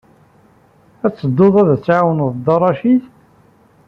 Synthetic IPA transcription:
æt͡sːəd̪ːoðˤæðæt͡sːʕawənðˤd̪ɑrˤɑʃiθ

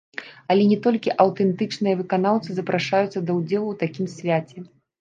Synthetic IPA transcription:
ɐlʲɛnʲɛt̪ɔlʲkʲiʔɐwt̪ɛnt̪ɨt͡ʂnɨjɐvɨkanawt̪sɨzɐpɾʔaʂajut̪sːɐd̪ɐwd͡zʲɛlˠuwt̪akʲimsʲvʲat͡sʲɛ

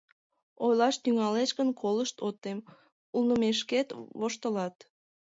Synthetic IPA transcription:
ojlɑʃt̪yŋɑlet͡ʃkənkʰoləʃt̪ot̪ːem | ulnəmeʃ̬ket̪βoʃt̪əlɑt̪

